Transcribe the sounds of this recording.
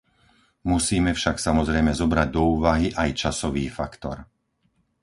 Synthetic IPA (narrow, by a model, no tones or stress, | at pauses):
musiːmɛfʃaksamɔzɾɛjmɛzɔbɾaɟ̚d̪ɔuːʋaɦiʔajt͡ʃasɔʋiːfa̰kt̪ɔ̰ɾ